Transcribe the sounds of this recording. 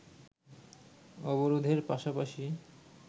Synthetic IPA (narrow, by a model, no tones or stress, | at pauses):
ɔboɾod̪ʱeɾpaʃapaʃi